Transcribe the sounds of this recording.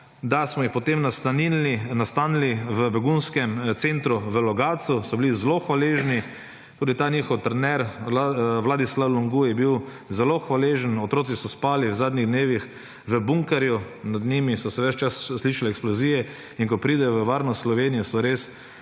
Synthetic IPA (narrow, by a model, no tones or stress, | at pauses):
d̪asmɔjixpɔt̪emnast̪aniinast̪aːniliʋəbɛɡunskɛmt̪sent̪ɾuʋəlɔɡaːsusɔbilizɛloxʋaleʒni | t̪uːd̪it̪aːniːxɔwt̪ɾɛnɛɾ | ʋlaːd̪islawlɔŋɡujɛbiw | zɛloxʋaleʒənɔt̪ɾoːtsisɔspaːliwzaːd̪nʲiɣd̪neːʋix | ʋəbuŋkaɾjunad̪nimisɔsɛʋɛt͡ʃt͡ʃasːliːʃalɛːksplɔziːjɛ | iŋkɔpɾiːd̪ɛjɔʋəʋaːɾnɔst̪slɔʋenijɔsɔɾes